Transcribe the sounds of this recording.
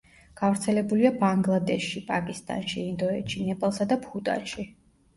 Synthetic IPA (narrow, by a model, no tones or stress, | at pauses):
ɡ̥avɾt̪sʰɛlɛbuliabaŋɡlˠad̪ɛʃːipʼakʼist̪ʼa̰nʃiːnd̪ɔɛt͡ʃʰinɛpʼalˠsad̪apʰut̪ʼa̰nʃi